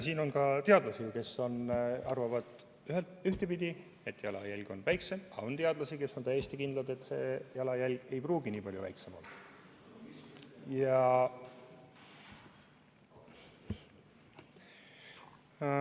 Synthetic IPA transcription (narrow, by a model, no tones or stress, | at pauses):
siːno̞nkɑt̪eɑd̪lɑsike̞so̞nɑrvɑvɑd̪̥ | yɦelt̪yht̪e̞pid̪i | e̞t̪ːjɑlɑ̰jælʲɡ̥o̞nvæjkse̞mɑ̰ont̪eɑd̪lɑsike̞sːont̪æjːesʲt̪ikind̪lɑd̪e̞t̪ːˑse̞jɑlɑjælʲɡ̥e̞jpruːɡiniːpɑljṵvæ̰jksemɑ̰l | jɑ